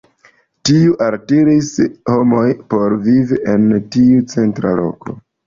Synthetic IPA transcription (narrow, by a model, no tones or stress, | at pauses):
tiuʔaltiɾisho̞mo̞jpo̞ɾviviʔe̞ntiut͡se̞ntɾa̰lo̞̰ko̞̰